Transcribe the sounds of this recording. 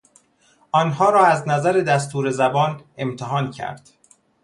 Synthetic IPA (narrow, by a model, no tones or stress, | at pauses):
ʔɒːnɦɒːɾɒːæznæzæɾed̪æst̪uːɾe̞zæbɒːne̞mt̪ʰeɦɒːncʰæ̰ɾd̪̥